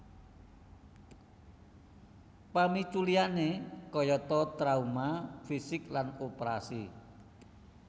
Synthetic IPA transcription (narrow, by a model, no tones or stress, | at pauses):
pamit͡ʃulianekɔjɔt̪ɔt̪ɾaumafisɪklanopɾasi